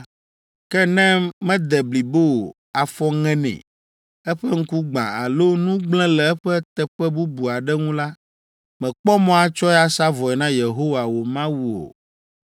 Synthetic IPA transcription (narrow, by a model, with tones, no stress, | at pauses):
kɛ˦nɛ̃˦mɛ̃˦d̪ɛ˨bli˨bo˦o˨ | a˨fɔ˦ŋɛ̃˦nɛ̰̃˨ | ɛ˦ɸɛ˦ŋ̩˦ku˦ɡ͡bã̰˨a̰˨lo˦nũ˦ɡ͡blɛ̃˦lɛ˨ɛ˦ɸɛ˦t̪ɛ˨ɸɛ˦bu˦bu˨a˨ɖɛ˦ŋũ˦la˦ | mɛ̃˨k͡pɔ˦mɔ̃˦a˨t͡ʃɔ˦ɛ˦a˦sa˦vɔ˨ɛ˨nã˦je˨ɦo˦wa˨wo˨mã˦wu˦o̰˨